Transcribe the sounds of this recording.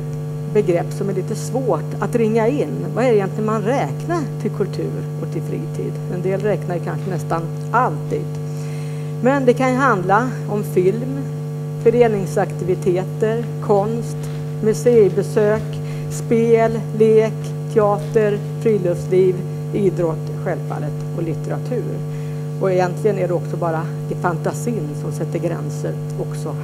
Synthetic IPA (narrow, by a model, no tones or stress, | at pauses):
bɛɡɾɛpːsɔmæɭiːt̪əsvoːʈat̪ɾɪŋːaɪnːvaɛɖɛɪjɛnt̪lɪənmanɾɛːknaʈʰɪlkʰɵlt̪ʰʉ̟̰ːɾɔk̚t̪ʰɪlfɾḭːt̪ʰḭːd̪ɛnd̪eːlɾɛknaɾjəkʰanɧənɛst̪an | ʔalt̪ḭːd̪ | mɛnd̪ɛkʰanjəɦand̪la | ɔmfɪlm | fœɾeːnɪŋsakt̪ɪvɪt̪ʰeːt̪əɾ | kʰɔnst̪ | mɵseːbɛsøːk | speːl | leːk | t̪ʰɛɑːt̪əɾ | fɾiːlɵfsliːv | iːd̪ɾɔt̪ː | ɧɛlfa̰ːlət̪ɔlɪt̪ɛɾat̪ʰʉ̟ːɾ | ɔɛjɛnt̪lɪɡənæɖɛɔksɔbɑːɾa | ɪfant̪asiːnsɔmsɛt̪ːəɾɡɾɛ̰nsə̰ɾ | ɔksɔ